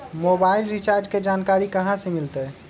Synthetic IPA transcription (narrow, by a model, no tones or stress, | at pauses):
mobailɾit͡ʃaɾd͡ʒked͡ʒankaːɾikəɦãsemilt̪ɛ